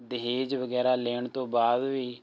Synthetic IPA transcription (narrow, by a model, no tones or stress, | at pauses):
d̪ɪɦeːd͡ʒʋəɡɛːɾaːleːɳt̪õːbaːd̪ʋiː